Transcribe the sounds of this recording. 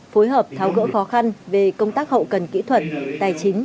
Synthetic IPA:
fo˨˦jɦəː˨˩p̚t̪ʰaː˨˦wɣə̰ː˧˥xɔ˨˦xa˧nve˨˩kə˧wŋ͡mt̪aː˦˥k̚hə̰˧˨kə˨˩nkḭ˧˥t̪ʰwə˨˩t̚t̪aː˨˩jt͡ɕï˨˦ŋ̟

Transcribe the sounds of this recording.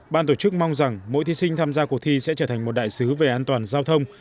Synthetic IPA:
ɓaː˧nt̪o˧˩t͡ɕɨ˦˥k̚ma˧wŋ͡mza˨˩ŋmo̰˧˥jt̪ʰi˨˦sï˧ŋ̟t̪ʰaː˧mzaː˧ku˨˩t̪ʰi˧sɛ̰˧˥t͡ɕəː˧˩t̪ʰa˨˩ŋ̟mo˨˩t̚ɗaː˧˨jsɨ˨˦ve˨˩ʔaː˧nt̪waː˨˩nzaː˧wt̪ʰə˧wŋ͡m

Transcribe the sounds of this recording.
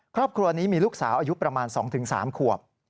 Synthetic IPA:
kʰɾɔː˥˩p̚kʰɾu˧ɐniː˦˥miː˧luː˥˩k̚sa̰ː˩˦wʔaː˧ju˦˥pɾa˧maː˧nsɔ̰ː˩˦ŋt̪ʰɯ˩˦ŋsa̰ː˩˦mkʰu˨˩əp̚

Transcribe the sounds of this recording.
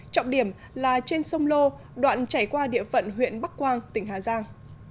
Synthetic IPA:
t͡ɕɔ̰˧˨wŋ͡mɗi˧˩əm | laː˨˩t͡ɕe˧nsə˧wŋ͡mlo˧ | ɗwa̰ː˧˨nt͡ɕaː˧˩jkwaː˧ɗḭ˧˨əfə̰˧˨nɦwḭ˧˨ənɓa˦˥k̚kwaː˧ŋt̪ï˧˩ŋ̟ɦaː˨˩zaː˧ŋ

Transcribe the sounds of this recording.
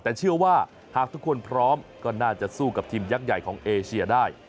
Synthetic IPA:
t̪ɛː˨˩t͡ɕʰɯ˥˩ɐwaː˥˩ | haː˨˩k̚t̪ʰu˦˥kʰu˧ənpʰɾɔː˦˥mkɔː˥˩naː˥˩t͡ɕa˨˩suː˥˩ka˨˩p̚t̪ʰiː˧mja˦˥k̚ja˨˩jkʰɔː˩˦ŋʔeː˧t͡ɕʰi˧ɐdaː˥˩j

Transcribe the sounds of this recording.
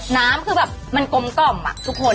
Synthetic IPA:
naː˦˥mkʰɯː˧bɛː˨˩p̚ma˧nko˧mkɔ˥˩mːa̰˨˩t̪ʰu˦˥k̚ʰːo˧

